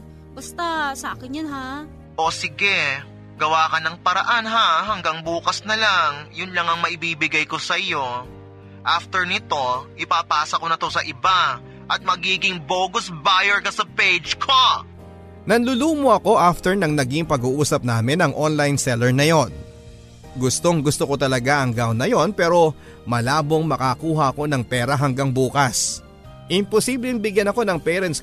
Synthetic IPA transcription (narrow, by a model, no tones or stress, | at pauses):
bɐst̪asɐaːkɪnjonɦa | ʔosɪɡɛ | ɡɐwaːkɐnɐŋpɐɾɐʔanɦaɦɐŋɡɐŋbuːkɐsnɐlaŋjʊnlɐŋɐŋmɐʔɪbiːbɪɡajko̞sɐʔɪjo̞ | ʔaft̪ɛɹnɪt̪o̞ʔɪpapaːsɐkonɐt̪o̞sɐʔɪba | ʔɐt̪̚mɐɡiːɡɪŋboːɡʊsbajɛɹkɐsɐpejd͡ʒkʰo | nɐnlʊluːmoɐko̞ʔaft̪ɛɹnɐŋnɐɡiŋpɐɡuːʔuːsɐp̚naːmɪnɐŋʔo̞nlajnsɛlɛɹnɐjo̞n | ɡʊst̪o̞ŋɡʊst̪oko̞t̪ɐlɐɡaʔɐŋɡawnːɐjo̞npɛːɾo̞ | mɐlaːbo̞ŋmɐkɐkuːɦɐʔɐko̞nɐŋpɛːɾɐɦɐŋɡaŋbuːkɐs | ʔɪmposiblɛŋbɪɡjɐnɐko̞nɐŋpɛɾɛns